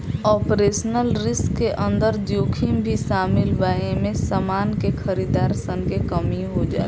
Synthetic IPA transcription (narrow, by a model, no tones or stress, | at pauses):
ɔːpɾesənəlɾɪskːeʔə̃nd̪əɾd̪joːkʰimbʱisamilbaemẽsəmaːnkekʰəɾid̪aːɾsənkekəmiɦod͡ʒa̰ː